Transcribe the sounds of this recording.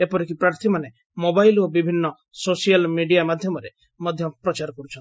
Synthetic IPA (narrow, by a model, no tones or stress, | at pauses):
epɔɾikipɾaɾt̪ʰimane | mobajlobibʱinːɔ | sosijalmiɖijamad̪ʱjɔmɔɾe | mɔd̪ʱjɔpɾɔt͡ʃaɾɔkɔɾut͡ʃʰɔni